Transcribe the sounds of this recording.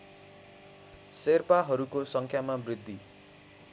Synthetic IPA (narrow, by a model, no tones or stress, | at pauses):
serpaɦʌɾukosʌŋkʰjamabrid̪ʱːi